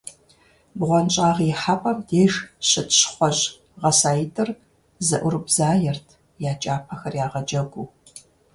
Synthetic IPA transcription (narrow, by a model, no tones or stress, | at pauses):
bʁʷɔnt͡ʃʼaːʁiħapʼɐmdeːʒɕɪtʰɕχʷɔʑ | ʁɐsaːjɪtʰʼɨr | zɐʔʷʊrɨbzaːjɛrtʰ | jaːt͡ʃʼaːpʰɐxɐrjaːʁɐd͡ʒɐɡʷu